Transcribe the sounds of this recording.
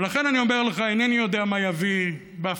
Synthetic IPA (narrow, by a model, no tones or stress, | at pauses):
laχe̞nanio̞meʁleχaenenijo̞d̪eamajavi | beaf